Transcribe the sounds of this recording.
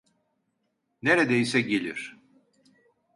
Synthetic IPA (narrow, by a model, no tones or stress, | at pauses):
neɾɛd̪ejisɛɟelʲiɾ̥